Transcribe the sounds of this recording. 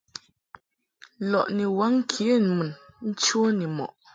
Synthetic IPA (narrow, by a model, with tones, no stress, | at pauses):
lɔ˨ʔne˨wa˦ŋ̩˦kʰje˦˨n˨mə˨nn̩˦t͡ʃwo˦ne˨mɔ̰˨ʔ